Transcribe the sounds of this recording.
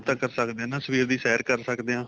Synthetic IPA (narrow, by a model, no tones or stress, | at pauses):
t̪ãːkəɾsəkd̪eãːnãːsəʋiːɾd̪iːsɛːəɾkəɾsəkd̪eːãː